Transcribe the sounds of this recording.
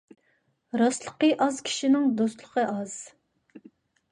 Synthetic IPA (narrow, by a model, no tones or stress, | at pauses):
ɾɑslˠəqəʔɑzkʲʰi̥ʃinɪŋd̪ost̪lˠəqʰəʔɑz̥